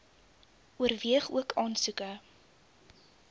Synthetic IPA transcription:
uərviəχuəkʰɑːnsukə

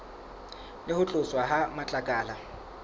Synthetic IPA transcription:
lɪhʊt͡ɬʼʊswaɦamat͡ɬʼakʼaːla

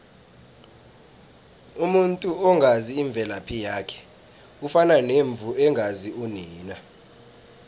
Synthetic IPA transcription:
umuntʼuɔŋʱaziːɱb̪vʱɛlapʰijaːkʰɛ̥ | ufananeɱb̪vʱuɛŋɡʱaziuniːna

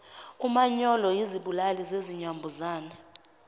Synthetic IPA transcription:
umaɲɔlɔjiziɓulalizeziɲambʱuzaːna

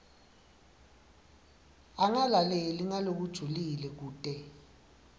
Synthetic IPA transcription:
aŋalalɛliŋalok̬ud̥ʒ̥ʱulilɛk̬uːtʼɛ

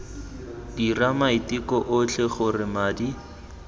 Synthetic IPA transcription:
diramaitikɔʔʊt͡ɬʰɛχʊrɪmaːdi

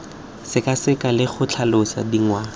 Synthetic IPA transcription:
sɪkasɪkalɪχʊt͡ɬʰalʊsa̰diŋwa

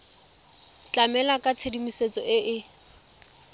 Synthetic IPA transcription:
t͡ɬamɛlakʼat͡sʰedimiset͡sʼɔɪʔɪ

